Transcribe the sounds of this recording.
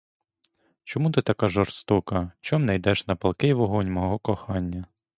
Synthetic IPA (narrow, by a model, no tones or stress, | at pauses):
t͡ʃɔmut̪ɪt̪ɐkɑʒɔrst̪ɔkɐt͡ʃɔmnɛjd̪ɛʃnɐpɐlˠkɪjʋɔɦɔnʲmɔɦɔkɔxɑnʲːɐ